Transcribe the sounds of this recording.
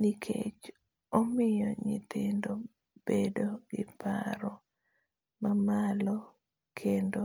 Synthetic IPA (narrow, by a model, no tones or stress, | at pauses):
nikʰḛt͡ʃ | omɪjɔɲɪ̰t̪ɪndo | b̥edoɡɪpa̰ɾɔ | mamalɔ | kʰendo